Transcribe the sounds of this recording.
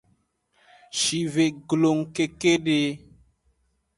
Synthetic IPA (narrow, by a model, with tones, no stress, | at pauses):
ʃi˨ve˨ɡlo˨ŋke˦ke˦ɖe˦